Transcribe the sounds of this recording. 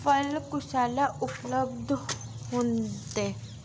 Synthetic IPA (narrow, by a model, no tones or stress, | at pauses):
pəlkʊsaːlaʔʊpləbd̪ | ɦõːnt̪e